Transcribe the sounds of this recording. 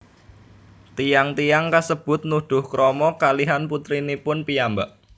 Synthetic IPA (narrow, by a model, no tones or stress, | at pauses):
t̪ijaŋt̪ijaŋkasəb̥ʊ̤t̪̚nuɖ̪̥ʊ̤hkɾɔmɔkaliɦanput̪ɾinipʊnpijamba̰ʔ